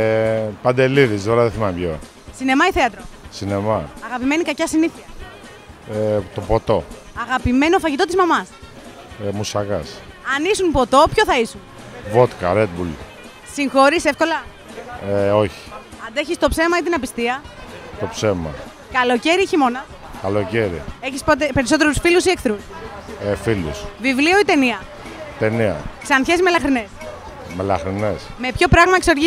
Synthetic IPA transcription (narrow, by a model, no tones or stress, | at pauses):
pɐnd̪e̞liðisd̪oɾɐðeθimɐmpjo̰ | sine̞mɐiθeɐt̪ɾosine̞mɐɐɣɐpime̞nikɐcɐsiniθiɐ | et̪opot̪o̞ | ɐɣɐpime̞nofɐʝit̪o̞t̪izmɐmɐs | musɐɣɐs | ɐnisunpo̞t̪o̞pço̞θɐisun | vo̞t̪kɐ̰ɾet̪̚bul | siŋxo̞ɾise̞fko̞lɐ | eo̞çi̥ | ɐnd̪e̞çist̪o̞pse̞mɐit̪̬inɐpist̪iɐt̪o̞pse̞mɐ̰ | kɐlo̞ceɾieçimo̞nɐ | kalo̞ce̞ɾḭeçispot̪epe̞ɾiso̞t̪e̞ɾusfilusiekθɾus | filṵsvivlio̞it̪e̞niɐ | t̪e̞niɐ̰ksɐnçesimelɐxɾines | melaxɾinesme̞pço̞pɾɐɣmɐekso̞ɾʝi